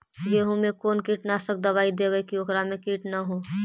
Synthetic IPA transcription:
jeɦumẽkoːnkiːʈnasək̚d̪əbaːid̪eːʋəkiokɾamẽkiːʈnaɦoː

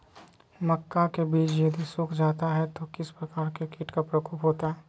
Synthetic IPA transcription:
mɐkːakebiːt͡ʃjɐd̪isʊːkʰd͡ʒaːt̪aɦɛt̪okɪspɾɐkaːɾkekiːʈkapɾɐkoːpɦoːt̪aɦɛː

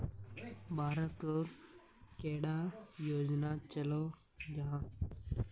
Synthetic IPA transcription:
bʱaːɾət̪oːɾ | keːɽaːjoːd͡ʒnaːt͡ʃəloː | d͡ʒaãː

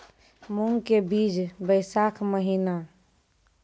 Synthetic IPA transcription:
muŋɡkebid͡ʒbəɪsakʰməɦina

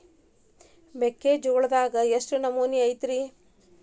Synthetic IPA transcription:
bekːeːd͡ʒoːɭɐd̪aːɡɐjesʈunɐmuːniɐjt̪ɾi

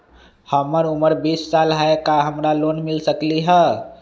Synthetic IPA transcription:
həməɾuməɾbisːalɦaekaɦəmɾalonmilsəkliɦə

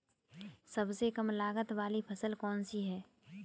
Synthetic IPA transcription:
sɐbsekɐmlaːɡət̪ʋaːlipʰɐsəlkɔːnsiɦɛː

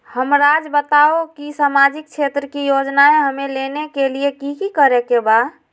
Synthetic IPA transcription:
həmɾad͡ʒbət̪aokisamad͡ʒik̚t͡ʃʰet̪ɾəkijod͡ʒnaeɦəmelenekeliekikikəɾekeba

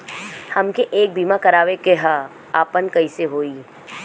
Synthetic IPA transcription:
hɐmkeʔeːk̚bʱiːmakɐɾaːʋekeɦa | aːpənkɐiseɦoːiː

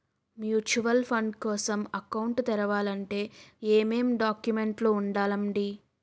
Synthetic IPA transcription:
mjuːt͡ʃuʋɐlpʰɐɳɖkɔːsɐmɐkɐwuɳʈt̪ɛɾɐʋaːlɐɳʈe̞ːeːmeːmɖaːkjume̞ɳʈloːuɳɖaːlɐmɖi

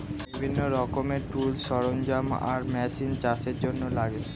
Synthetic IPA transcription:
ibʱinːoɾɔkomeɾʈulʃɔɾond͡ʑama̰ɾmɛʃint͡ɕaʃeɾd͡ʑonːolaɡe

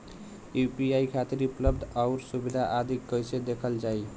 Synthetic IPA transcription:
upiaikʰat̪iɾupləbd̪ʱaʊɾsubid̪ʱaʔad̪ʱikːəjsed̪ekʰəld͡ʒai

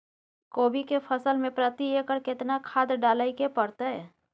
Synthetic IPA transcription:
koːbikepʰəsəlmẽpɾət̪iekəɾkɪt̪nakʰaːd̪ɖaːlaikepəɾt̪aɦɛ

